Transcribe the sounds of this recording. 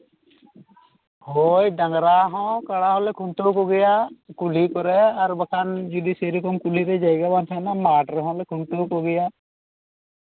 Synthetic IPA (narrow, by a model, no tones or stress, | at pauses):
hojɖaŋɡɾaɦɔ̃kaɽaɦɔ̃lɛkʰuɳʈokɔɡɛjakulikɔɾɛaɾbakʰand͡ʒud̪isejɾɔkɔmkuliɾɛd͡ʒajɡabant̪ʰanamaːʈɾɦɔ̃lɛkʰuɳʈokɔɡɛja